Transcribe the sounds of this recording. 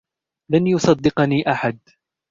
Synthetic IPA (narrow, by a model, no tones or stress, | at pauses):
lanjʊsˤɑd̪ːɪqniːʔaħad̪̚